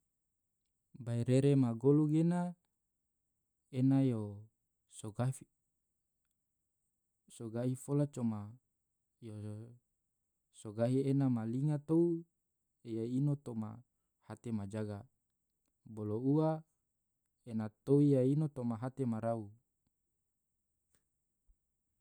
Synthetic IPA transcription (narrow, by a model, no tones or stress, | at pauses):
baiɾeɾemaɡoluɡena | enajo | soɡai | soɡaifolat͡ʃoma | jo | soɡaɦienamaliŋat̪ou | ejainot̪oma̰ | hat̪emad͡ʒaɡa | boloua | enat̪oijainot̪omaɦat̪emaɾau